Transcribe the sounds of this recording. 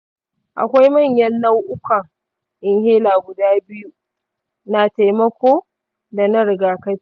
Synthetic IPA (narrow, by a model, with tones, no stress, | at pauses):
ʔa̰˨kʷa˦jmɐ˦˨ɲjɐ˦nːɐ˦wʔʊ˦kʷa˨ | ʔɪ˨ŋheː˦laː˨ɡʷʊ˨daː˦bɪ˦ju˦ | na˨ta˨jmɐ˦kʷoː˦ | da˨nɐ˦ɽɪ˨ɡaː˨kɐ˦